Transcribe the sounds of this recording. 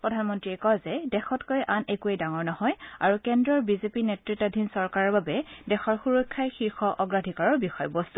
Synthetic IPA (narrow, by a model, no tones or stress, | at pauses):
pɹɔdʱanmɔntɹiɛkɔjzɛdɛxɔtkɔjʔanekuejdaŋɔɹnɔhɔja̰ɹukɛndɹɔɹbizepinɛtɹitadʱinsɔɹkaɹɔɹbabɛdɛxɔɹxuɹɔkʰːajxiɹxɔʔɔɡɹadʱikaɹɔɹbixɔjbɔstu̥